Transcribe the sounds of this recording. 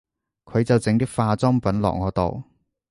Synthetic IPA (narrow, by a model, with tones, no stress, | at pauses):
kʰɵ˨˧ɥt͡sɐ˨wt͡sɪ˨˥ŋt̪ɪ˥k̚faː˧t͡sɔː˥ŋpɐ˨˥nlɔ̰˨k̚ŋɔː˨˧t̪o̰˨w